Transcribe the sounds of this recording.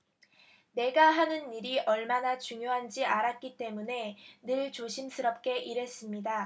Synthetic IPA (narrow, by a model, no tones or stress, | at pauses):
ne̞ɡaɦanɯniɾiʔʌɭmanat͡ɕuŋjoɦand͡ʑiaɾat̚k͈it͈e̞mune̞nɯɭt͡ɕoɕʰimsʰɯɾʌp̚k͈e̞ʔiɾe̞s͈ɯmɲida